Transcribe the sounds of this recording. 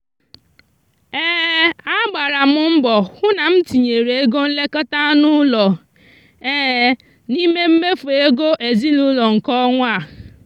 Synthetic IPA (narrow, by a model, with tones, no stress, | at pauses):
eː˦a˦ɡ͡ba˨ɾa˨mʊ˦m̩˦bɔ˨hʊ˦na˨m̩˦ti˨ɲe˨ɾe˨e˦ɡo˦n̩˦le˦kɔ˦ta˦nʊ˦lɔ˨ | e˦ | ni˦me˦m̩˦me˦fe˦ɡo˦ʔe˨zi˦nu˦lɔ˨ŋ̩˨kɔ˦ŋʷa˦˨